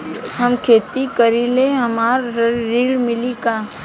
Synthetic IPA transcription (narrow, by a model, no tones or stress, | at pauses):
ɦɐmkʰeːt̪ikəɾileɦɐmaːɾɾiːɽmɪlikaː